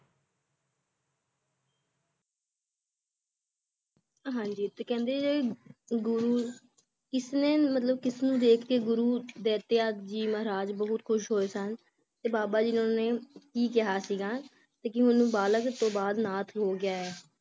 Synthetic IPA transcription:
ɦãːɲd͡ʒiːt̪eːkɛ̃ːnd̪eːd͡ʒeːɡʊɾuː | kɪsneːmət̪̬ləbkɪsnũːd̪eːkʰkeːɡʊɾuːd̪eːt̪ejaːd͡ʒiːməɦɾaːd͡ʒbəɦʊt̪kʰʊʃɦoːeːsən | t̪eːbaːbaːd͡ʒɪnõːneːkiːkɪɦaːsiːɡaː | t̪eːkɪɦʊnũːbaːləkt̪õːbaːd̪naːt̪ʰɦoːɡɪjaːɛː

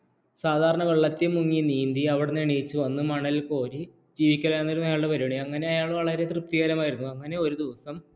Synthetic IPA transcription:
saːd̪ʱaːɾɐɳɐʋeɭːɐt̪ːimːuŋːiniːnd̪iɐʋiɽeneɳijit͡ɕːuʋɐnːɨmɐɳɐlko̞ːɾi | d͡ʑiːʋikʲːɐɭɐjnːɐiɾunːuɐjaːɭɖepɐɾiɳiɐŋːɐne̞ɐjaːɭʋɐɭɐɾe̞t̪rɨp̚t̪iɣɐɾɐmaːjiɾunːuɐŋːɐne̞o̞ɾud̪iʋɐsɐm

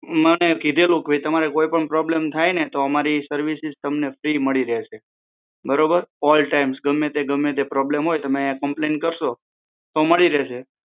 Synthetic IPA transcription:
mənekid̪ʱelũkbʱəit̪əmaɾekoipəɳpɾɔblemt̪ʰajnet̪oəmaɾisəɾʋisizt̪əmnefɾiməɭiɾeɦʃe | bəɾobəɾɔlʈaimsɡəmːẽt̪eɡəmːẽt̪̬epɾɔblemɦojt̪əmeãkəmplenkəɾʃo | t̪oməɭiɾeɦʃe

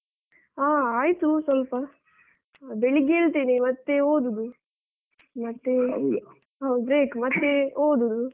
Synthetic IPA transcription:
aːaːjt̪usʋɐlpɐ | beɭiɡeːɭt̪iːnemɐt̪ːeoːd̪ud̪u | mɐt̪ːe | ɦɐw̪bɾeːkmɐt̪ːeoːd̪ud̪u

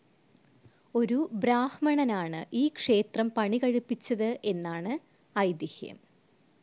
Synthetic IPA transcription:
o̞ɾubɾaːhmɐɳɐnaːɳɨʔiːkʂe̞ːt̪rɐmpɐɳikɐɻupːit͡ɕːɐðɨʔe̞nːaːɳɨ | ɐjd̪ihjɐ̰m

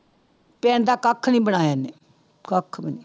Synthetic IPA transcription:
pɛːnd̪aːkəkʰːnĩːbənaːjaːneː | kəkʰːbəniː

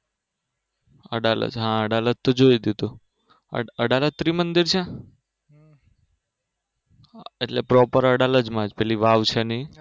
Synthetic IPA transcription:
əɖalə̰d͡ʒɦãəɽalət̪ːod͡ʒoid̪id̪ṵ | əɽalət̪ːɾimənd̪iɾt͡ʃʰɛ̃ | eʈlepɾɔpəɾəɽaləd͡ʒmãd͡ʒpɛliʋaʋt͡ʃʰeni

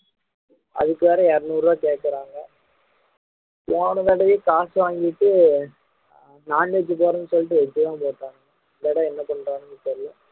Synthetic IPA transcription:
ɐ̰ðɯkːɯʋɛːɾɛɛɾɐnuːɾaːkeːʈ̚kːɐɾaːŋɡɐ | oːɳɐ̃ʋɐɽɐjeːkaːsɯʋaːŋɡɪɪʈːɯ | naːned͡ʒɯp̬oːɾɐnːɯsɔlːɪʈːɯʋɛd͡ʒːɯt̪ãːpoːʈːaːŋɐ | ɪnd̪ɐɽɐ̃ɛnːɐpɔɳɾaːnɯmɪt͡ʃːɐɾlɐ

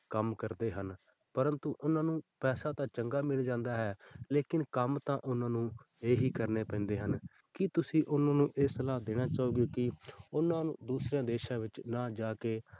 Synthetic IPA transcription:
kəmkəɾd̪eːɦən | pəɾənt̪uːʔʊnãːnũːpɛːsaːt̪ãːt͡ʃəŋɡaːmɪld͡ʒãːnd̪aːɦɛːleːkɪnkəmt̪ãːʔʊnãːnũː | eːɦiːkəɾneːpɛ̃ːnd̪eːɦən | kɪt̪ʊsĩːʔʊnãːnũːʔeːsəlaːd̪eːɽ̃aːt͡ʃaːoːɡjoːkɪʊnãːnṵ̃ːd̪uːsɾeãːd̪eːʃãːʋɪt͡ʃnaːd͡ʒaːkeː

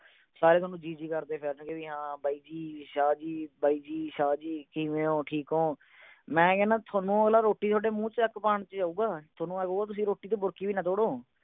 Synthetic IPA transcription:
saːɾeːt̪ʰoːnũːd͡ʒiːd͡ʒiːkəɾd̪eːpʰɪɾnkeʋiːɦãːbaːiːd͡ʒiːʃaːd͡ʒiːbaːiːd͡ʒiːʃaːd͡ʒiːkiːʋẽːõːʈʰiːkɦoː | mɛ̃ːkɛːnãːt̪ʰoːnũːəɡlaːɾoːʈːiːt̪ʰoːɖeːmũːt͡ʃəkːpaːɳt͡ʃd͡ʒaːuːɡaːt̪ʰoːnũːəɡoːaːt̪ʊs̬ĩːɾoːʈiːt̪̬õːbʊɾkiːʋiːnət̪oːɽoː

